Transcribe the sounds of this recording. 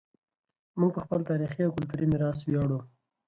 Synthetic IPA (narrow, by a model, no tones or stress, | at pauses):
muɡ̚pəxpəlt̪ɑɾixiawkʊlt̪uɾimɪɾɑswjɑɽu